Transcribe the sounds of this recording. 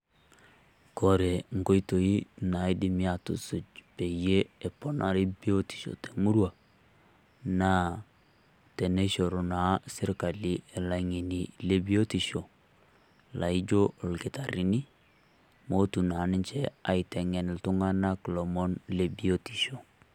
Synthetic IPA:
ko˨ɾe˨ŋ̩˨ɡo˦i˦to˨i˦na˨˦i˦di˨mi˦a˨tṵ˨su˨t͡ʃpe˨je˦e˨pɔ˨na˨ɾi˦bi˦o˦ti̥˨ʃo̰˨te˨mu˦ɾwa˨ | na˦ | te˨ne˦ʃo˨ɾo˨na˨˦si˦ɾka˨li˦ɛ˨la˨ŋi˨ni˨le˦bi˦o˦ti˨ʃo˨ | la˨i˦d͡ʒo˦˨lki˨ta˨ɾi˨ni˦ | mo˦tu˨na˨˦ni˦nt͡ʃɛ˦a˨i˨tɛ˨ŋɛ˨n˨ltu˦ŋa˦na˦klɔ˨mɔ˦nle˨bi˦o˦ti̥˨ʃo˨

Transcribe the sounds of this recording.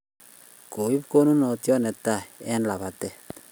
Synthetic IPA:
ko˨i˦pko˦nu˦nɔ˨tjɔ˦nɛ˨ta˦˨ɛ˦nla˨βa˨tɛ˦t

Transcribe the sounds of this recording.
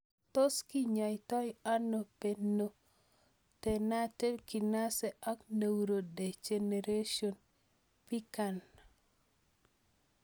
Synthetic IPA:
to˦ski˦ɲa˨jtɔ˦ja˦no˨pe˨nːo˨ | tɛna˦te˦ki˨na˦sɛ˦ʔa˦kne˨wɾo˨de˨d͡ʒe˨ne˨ɾe˦ʃo˨n | pi˦ka˨n

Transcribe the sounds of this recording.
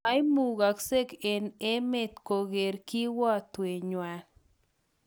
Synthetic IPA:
a˦jmu˨ɡa˨kse˦ke˨ne˦me˦˨t̪ko˨ɡe˨ɾki˦wɔ˦t̪we˨ɲwa˨

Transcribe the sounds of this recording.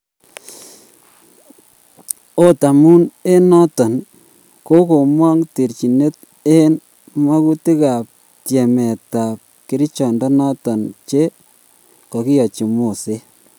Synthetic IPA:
o˦ta˨mu˦ne˦nɔ˦tɔ˨n | ko˦ko˨mwa˦ŋti˨ɾt͡ʃi˨ne˦t̚ | e˦n | ma˦ku˦ti˦ka˨p̚ | tjɛ˨mɛ˨ta˨p̚ki˦ɾi˦t͡ʃɔ˨ndɔ˦nɔ˦tɔ˨nt͡ʃe˦ | kɔ˨ki˦jɔ˨t͡ʃi˨mo˨se˦

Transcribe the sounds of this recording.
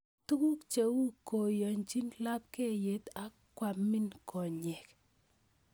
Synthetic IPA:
tu˦ku˦kt͡ʃe˨wu˦kɔ˨jɔ˨nt͡ʃi˦nla˦p̚ke˦˨je˨˦ta˦ | kwa˨mɪ˦nkʰɔ˨ɲɛ˨k

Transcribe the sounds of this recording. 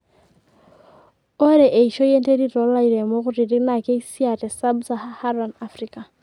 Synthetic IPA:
o˦ɾɛ˨ʔe˨i˨ʃo˦je˦nte˦ɾi˦ɾɔ˨˦la˦i˨ɾe˨mo˦ɣʊ˦ɾi˨ɾi˦na˨ke˦i˦si˦a˨tɛ˨sa˦bsa˦haha˦ɾa˨na˦frika˨

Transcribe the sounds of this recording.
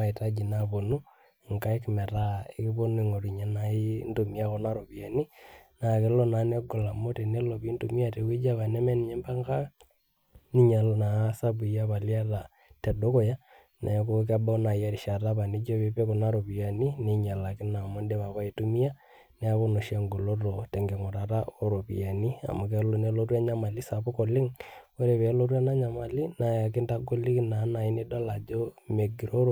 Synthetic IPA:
a˨i˨ta˦d͡ʒi˨na˨βo˨nu˦˨ | ŋka˦e˦kmɛ˨ɾa˦e˦ki˦βo˦nu˦i˨ŋo˨ɾi˨ɲa˦na˦i˦ndu˨mi˦a˦kɔ˦na˦ɾo˨pi˨a˨ni˦na˨kɪ˦lɔ˦na˨˦ne˦ɡɔ˨la˨mo˦tɛ˨ne˦lo˨pi˦ntu˨mi˦a˦te˨kwi˦d͡ʒa˦βa˨nɛ˦mɛ˦ni˨ɲɛ˦mba˦ŋka˦ | ni˦ɲa˨lna˨˦sa˦bu˨ja˦βa˨lja˦ta˨ | tɛ˨do˦kɔ˨ja˦ | na̰˨˦ko˦k̬a˦ba˦u˦na˨ja˦ɾi˨ʃa˨ta˦pa˨ni˦d͡ʒo˦pe˦pe˦ko˨na˦ɾo˨pi˨a˨ni˦ni˦ɲa˨la˨kɪ˦na˨mo˦nde˦βa˨βa˦i˦tu˦mi˦ja˦ | nɛ˦a˦βo˦no˨ʃa˨ŋɡo˨lo˦ɾo˨tɛ˨ŋɡe˨ŋɔ˨ɾa˨ɾa˦o˦ɾo˨pḭ˨ja˨ni˦a̰˨mu˨ke˦lo˦ne˦lo˦ra˦ɲa˦ma˨li˦sa˨pʊ˦kɔ˨lɪ˦ŋ | o˦ɾe˨βe˨˦lo˦rwa˦na˦ɲa˨ma˨li˦na˨ja˨kɪ˦nta˦ɡo˦li˦kna˨˦na˨i˦ni˦da˦la˨d͡ʒo˦me˨ɡi˨ɾo˦ɾo˨

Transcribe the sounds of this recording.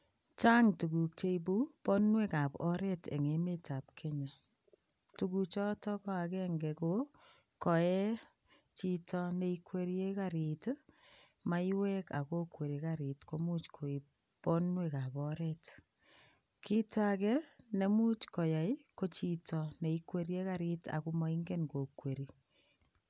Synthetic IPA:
t͡ʃa˦ŋtu˨ku˨k̚t͡ʃe˦ib̬u˦pɔ˦nwe˦ka˨pɔ˦ɾɛ˦tḛ˨ŋe˨me˦ta˨p̚kʰe˦ɲa˨ | tu˨kut͡ʃɔ˦tɔ˦kɔ˦a˨kɛ˦ŋɡɛ˨ko | kɔ˨ɛ˦ | t͡ʃi˦tɔ˧ne˦ikwe˦ɾje˦ka˦ɾi˨t | ma˦i˦wɛ˦ka̰˨ko˦kwe˨ɾi˨ka˦ɾi˨tko˦mu˦t͡ʃkʰo˨i˨ | po˦nwe˦ka˨bɔ˦ɾɛt | kʰi˦ta˦kɛ˦ne˦mu˦t͡ʃko˨ja˨i˦ko˦t͡ʃi˨tʰɔ˨ne˨ikwe˦ɾje˦ka˦ɾi˦ta̰˨ku˦ma˨˦i˦ŋɡe˦nko˨kwe˨ɾi˨

